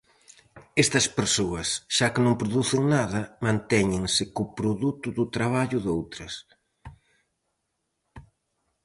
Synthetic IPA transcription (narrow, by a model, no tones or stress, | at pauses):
est̪ɐspeɾsoɐsʃakɪnõŋpɾʊðuθɪŋnaðɐmãnt̪ɛɲɪŋsɪkʊpɾoðut̪ʊðʊt̪ɾaβ̞aʎʊðowt̪ɾɐs